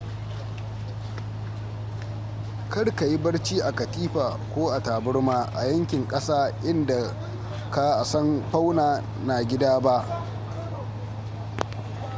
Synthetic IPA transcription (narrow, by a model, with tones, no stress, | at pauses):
kɐ˦ɽka˨ji˦bɐ˦ɽt͡ʃiː˦ʔa˨kɐ˨tiː˦ɸaː˨kʷoː˦ʔa˨taː˨bʊ˦ɽmaː˦ʔa˨jɐ˦ŋkʲɪ˨ŋkʼɐ˦saː˦ʔɪ˦nda˨ | ka˦˨sɐ˦mɸa˦wnaː˨ | na˨ɡʲɪ˦daː˦ba˦ʔ